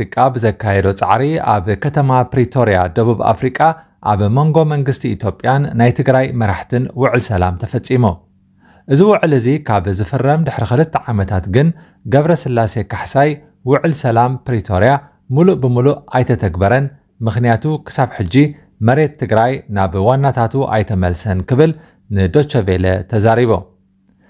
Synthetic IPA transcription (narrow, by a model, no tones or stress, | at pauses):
ikʼabɨzɐkʰːajɛd̪ot͡sʼa̰ʕɾia̰βkʰɐt̪ʰɐmapɾit̪ʰo̞ɾija̰d̪ɐβuβa̰fɾikʼa | ʔaβmo̞ŋɡo̞mɐŋɡɨst̪ʰiːt̪ʰjo̞pʼjanːajt̪ʰɨɡɾajmɐɾaħt̪ʰɨnwʊʕɨlsɐla̰mt̪ʰɐfɐt͡sʼːimu | ʔɨziwʊʕɨlɨzikʰaβzɨfɨrːɐmd̪ɨħɾixɨlɨt̪ʰːɐʕamɐt̪ʰat̪ɡɨn | ɡɐβɾɐsɨlːase̞kʰaħsaj | wʊʕɨlsɐlampɾit̪ʰo̞ɾija | muluʔbɨmuluʔajt̪ʰɐt̪ʰɐɡbɐɾɐn | mɨxnijat̪ʰukʰɨ̥saβħɨd͡ʒːi | mɐɾe̞t̪ʰːɨɡɾajnaβwanːat̪ʰat̪uʔa̰jt̪ʰɐmɐlsɐnkʰɨβɨl | nɨd̪o̞t͡ʃːɐvelɐ̰t̪ʰɐzaɾiβo̰